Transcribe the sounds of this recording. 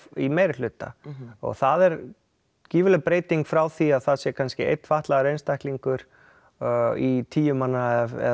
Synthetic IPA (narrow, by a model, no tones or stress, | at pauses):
imejɾɪlʏːt̪a̰ɔ̰ɣθaðɛɾ | ciːvʏlɛpɾeːjt̪iŋkfɾaːwθiaðθaðsjɛkʰanscɪḛjt̪ːfaht̪laɣaɾejnst̪ajhkliŋkʏɾ̥ | it̪ʰiːjʏmanːaðɛ̰